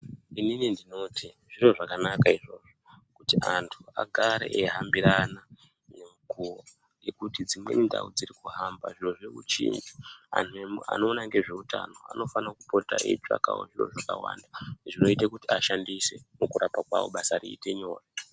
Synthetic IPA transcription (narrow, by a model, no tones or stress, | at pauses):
ininindino̞tʰi | ʐiro̞ʐakanakaiʐo̞ʐokutiantʰua̰ɡʱaɾe̞̰ʔeɦambiɾana | nemukuo | je̞kutid͡zimwe̞̰ninda̰ud͡zirikuɦamba̰ʐiroʐeʋut͡ʃḭːnd͡ʒia̰ntʰuemua̰no̞ːnaŋɡe̞ʐe̞utʰa̰no̞a̰no̞fanakupo̞ta̰ʔḛt͡ʃa̰kawo̰ʐiro̞̰ʐakawa̰ːndaʐino̞itakutiaʃandise̞̰mukuɾapakwa̰wo̞̰ɓasariite̞ɲo̞ːra